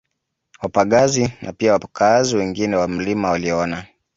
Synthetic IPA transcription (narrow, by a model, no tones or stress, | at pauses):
wapaɠazinʔa̰piawapkaaziwɛŋɡinɛwam̩limawaliɔna